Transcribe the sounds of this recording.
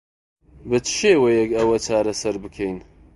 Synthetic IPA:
bɨt̪ʰʃeːwejɛkɐwɐt͡ʃʰaːɾɐsɐɾbɨkʰɛjn

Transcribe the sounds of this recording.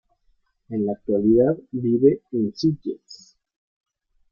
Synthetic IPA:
enlaːk̚t̪waliðaðbiβeensicḛs

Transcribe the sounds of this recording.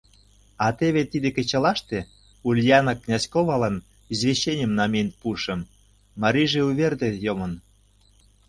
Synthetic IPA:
ɑt̪eβet̪id̪ekĕt͡ɕɑlɑʃt̪e | ulʲjɑnɑkːnʲɑskoβɑlɑn | izβʲeɕenʲə̆mnɑmʲenpuʃə̆mː | ɑɾʲiʒeuβʲerd̪et̪jomən

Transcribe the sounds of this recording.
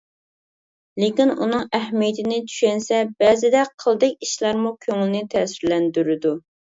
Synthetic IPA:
lɪkʲinunɨŋɛhmijet̪ʰɪnɪt͡ʃʰy̥ʃɛnsɛbɛzɪd̪ɛqʰəlˠd̪ɛkʲiʃlˠɑɾmukʲʰøŋɪlnɪt̪ʰɛːsɪɾlɛnd̪yɾɪd̪u

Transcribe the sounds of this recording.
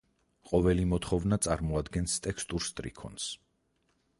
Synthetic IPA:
qʼɔvɛlimɔt̪ʰχɔvnat̪sʼaɾmɔad̪ɡɛnst̪ʼɛkʰst̪ʼuɾst̪ʼɾḭkʰɔ̰ns

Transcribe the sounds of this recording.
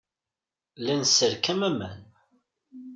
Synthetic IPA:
lænsəɾkəmæmə̰n

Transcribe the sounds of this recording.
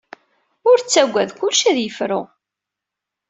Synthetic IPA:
ʊɾt͡sːæɡʷːæðkʷʊlʃæðjəfɾʊ

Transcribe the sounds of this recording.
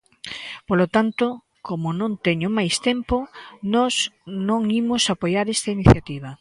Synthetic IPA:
polot̪ant̪o | komonõnt̪eɲʊmajst̪emponɔsnõŋimosapojaɾest̪ɐiniθjat̪iβ̞ɐ

